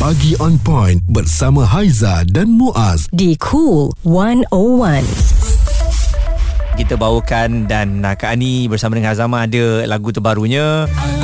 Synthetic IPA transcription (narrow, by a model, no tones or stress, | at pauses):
baɡiʔɔ̃npɔ̃jnbərsamãɦajzadanmuʔasdikʰulwanowãn | kit̪əbawəkandanakanibərsamadəŋãazamãːdəlaɡut̪əbaɾuɲə̃